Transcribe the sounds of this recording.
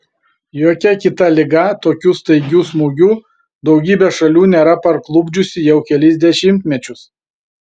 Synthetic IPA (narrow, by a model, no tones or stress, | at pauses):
joːkʲɛkʲɪt̪ɐlʲɪɡɐt̪oːkʲuːst̪ɐɪɡʲuːsmuːɡʲuː | d̪ɒʊɡʲiːbʲɛʃɐlʲuːnʲeːɾɐpɐɾklˠʊbʲd͡ʒʲʊsʲɪjɛʊkʲɛlʲɪzʲd̪ʲɛʃʲɪmʲt̪ʲmʲɛt͡ʃʲʊs